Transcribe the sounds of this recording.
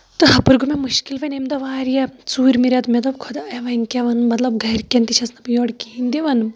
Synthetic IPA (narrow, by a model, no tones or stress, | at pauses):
t̪ɨɦɐpɨɾɡumʲemuʃkilpɐnemd̪ɐʋaːɾjɐt͡suːɾmiɾʲat̪mʲɐd̪ɐbkʰod̪aɐjʋɐŋʲkʲaʋɐnmɐt̪lɐb̚ɡʱɐɾkʲent̪it͡ʃʰɐsnɐpɨjoːɽkiːind̪iʋɐnɨ